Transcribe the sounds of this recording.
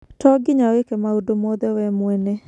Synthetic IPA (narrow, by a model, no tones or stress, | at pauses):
tɔɡɪɲawekɛmaudomɔdɛwɛmwɛnɛ